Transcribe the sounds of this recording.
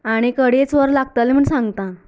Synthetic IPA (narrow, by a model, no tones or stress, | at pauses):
aɽ̃ikəɽet͡sʋəɾlaɡ̚t̪alem̤əɳsãŋɡt̪ã